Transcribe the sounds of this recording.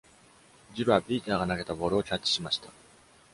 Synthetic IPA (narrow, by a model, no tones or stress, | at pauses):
d͡ʑiɾɯ̟βabʲiːt̪aːɡanaɡe̞t̪abo̞ɾɯ̟o̞t͡ɕat͡ɕːi̥ɕimaɕi̥t̪a